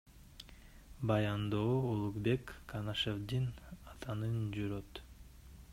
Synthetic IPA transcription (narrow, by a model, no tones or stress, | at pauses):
bɑjɑnd̪oːolˠukbe̞kːanaʃevd̪inɑt̪ʰɑnɯnd͡ʒyɾøt̪